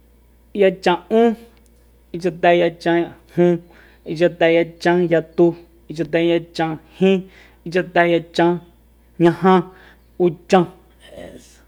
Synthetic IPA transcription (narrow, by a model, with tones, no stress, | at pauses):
ja˧t͡ʃã˧˨ũ˦ | i˧t͡ʃa˧t̪ɛ˧ja˧t͡ʃã˧hũ˧ | i˧t͡ʃa˧t̪ɛ˧ja˧t͡ʃã˧ja˧t̪u˧ | i˧t͡ʃa˧t̪ɛ˧ja˧t͡ʃã˧hĩ˦ | i˧t͡ʃa˧t̪ɛ˧ja˧t͡ʃã˧ | ɲã˧ɦã˧ | u˧t͡ʃã˧